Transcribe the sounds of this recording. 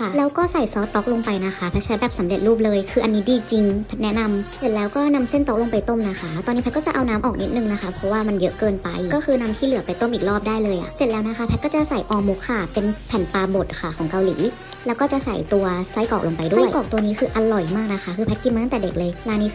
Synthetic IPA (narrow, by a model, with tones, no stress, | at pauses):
kʰa˥˩lɛː˦˥wkɔː˥˩sa˨˩jsɔː˨˦˥t̪ːɔ˦˥k̚lo˧ŋpa˧jna˦˥xʰa˦˥pʰɛ˧˥t͡ɕʰa˧˦˥bɛː˨˩psa˨˩˦mle˨˩t̪̚ɾuː˥˩p̚lɤː˧jkʰɯː˧ʔa˧nːiː˦˥diː˧˩t͡ɕi˧ŋp̚ʰnɛ˦˥na˧mse˧˩nlɛː˦˥wkɔː˥˩na˧mse˥˩nt̪o˦˥k̚lo˧ŋpa˧jt̪o˥˩˨mna˦˥xʰa˦˥t̪ɔː˧nːi˦pʰɛ˦˥kɔː˥˩t͡ɕa˨ʔa˧wnaː˦˥mʔɔ̰ː˨˩k̚ni˦˥t̪̚nɯ˧ŋna˦˥kʰa˦˥pʰɾɔ˦˥waː˥˩ma˧njɤ˦˥ʔkɤː˧npa˧jkɔː˥˩kʰɯː˧na˧mt̪ʰiː˥˩lɯ˩˦pa˧jt̪o˥˩mʔiː˨˩k̚lɔː˥˩p̚daː˥˩jlɤː˧jʔa̰˨˩se˧˨˩t̪̚lɛː˦˥wna˦˥kʰa˦˥pʰɛ˧˦˥kɔː˥˩t͡ɕa˨˩sa˨˩jʔɔː˧mo˦˥kʰːa˥˩pe˧npʰɛː˨˩˦npaː˧bo˨˩t̪̚kʰa˥˩kʰɔː˩˦ŋka˧wlḭː˩˦ | lɛː˦˥wkɔː˥˩t͡ɕa˨˩ʔsa̰˨˩jt̪u˧ɐsa˦˥˩jkɔː˨˩k̚lo˧ŋpa˧jdu˥a˧˩˨jkɔː˨˩k̚t̪u˧ɐniː˦˥kʰɯː˧ʔa˧lɔ˨˩jmaː˥˩k̚na˦˥xʰa˦˥kʰɯː˧pʰɛ˦˥t̪̚ki˧˨ma˧˦a˥˩t̪ɛː˨˩de˨˩k̚lɤː˧jlaː˧niː˦˥˧